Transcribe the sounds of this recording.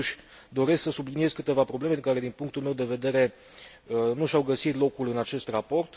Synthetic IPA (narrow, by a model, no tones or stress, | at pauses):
uʃʲ | d̪o̞ɾe̞sksəsublinie̞zkɨt̪e̞vapɾo̞ble̞mekaɾe̞d̪inpuŋkt̪ulme̞wd̪e̞ve̞d̪e̞ɾe̞ | ənuʃawɡəsit̪lo̞kulɨnat͡ʃe̞st̪rapo̞rt̪